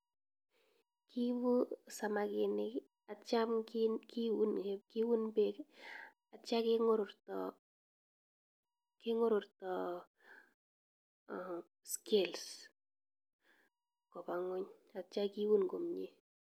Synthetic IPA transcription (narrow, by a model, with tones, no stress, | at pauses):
ki˦bu˦sa˨ma˨kɪ˨nɪ˦k | a˨t͡ʃa˦mknkɪ˦wu˦nbe˦k | a˨t͡ʃa˦kɪ˦ŋʊ˦ɾʊɾtɔ | kɪ˦ŋʊ˦ɾʊ˨ɾtɔ˨ | ske˦˨ls | kɔ˨pa˨ŋʊ˦ɲa˨t͡ʃa˦ki˦wu˦nɡo˨mɲḛ˦